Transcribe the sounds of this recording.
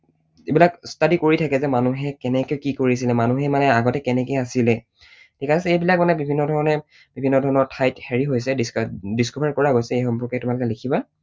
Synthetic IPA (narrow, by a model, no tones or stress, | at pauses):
ebilakstadikoɹitʰakɛzɛmanuɦɛkɛnɛkejkikoɹisilɛmanuɦɛmanɛaɡɔtɛkɛnɛkejasilɛ | tʰikasɛejbilak̚manɛbibʱinːɔdʱɔɹɔnɛ | b̥ibʱinːɔdʱɔɹɔnɔtʰajtheɹiɦojsɛdisdiskɔbaɹkɔɹaɡojsɛejxɔmpɔɹkɛtʊmalʊkɛlekʰiba